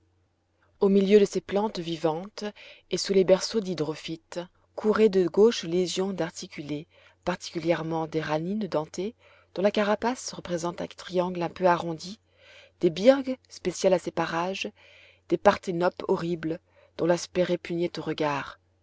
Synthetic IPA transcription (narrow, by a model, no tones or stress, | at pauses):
omiljød̪əseplɑ̃t̪vivɑ̃t̪esulebɛʁsod̪id̪ʁɔfit̪ | kʰuʁed̪əɡoʃleʒjɔ̃d̪aʁt̪ʰikʲyle | paʁt̪i̥kʲyljɛʁmɑ̃d̪eʁanind̪ɑ̃t̪e | d̪̥ɔ̃lakaʁapasʁəpχezɑ̃t̪ɛ̰̃t̪χiɑ̃ɡlɛ̃pøaʁɔ̃d̪i | d̪̥ebiʁɡspesjalasepaʁaʒ | d̪̥epaʁt̪enɔpɔʁibl | d̪̥ɔ̃laspɛʁepyɲjet̪oʁəɡaːʁ